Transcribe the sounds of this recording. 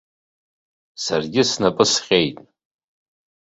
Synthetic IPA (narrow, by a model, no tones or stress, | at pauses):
sarɡʲɪsnapʼɨsqʲʼejtʼ